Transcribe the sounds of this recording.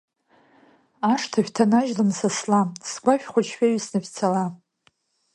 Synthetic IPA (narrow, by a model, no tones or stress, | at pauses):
aʂtʰaʃʲᶣtʰanaʒlɨmsaslasɡʷaʃʲᶣχʷat͡ʃʰħᶣaɥisnɨfʲt͡sʰala